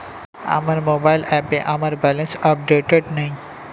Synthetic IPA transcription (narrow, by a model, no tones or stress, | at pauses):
a̰məɾmobajlɛpeʔaməɾbɛlẽnsəp̚ɖeʈeɖnaɦĩ